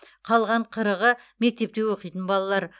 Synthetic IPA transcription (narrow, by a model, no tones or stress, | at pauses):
qʰɑlˠʁɑɴqʰəɾəʁə | me̞k̚t̪e̞p̚t̪e̞wo̞qijt̪ənbɑlˠɑlˠɑɾ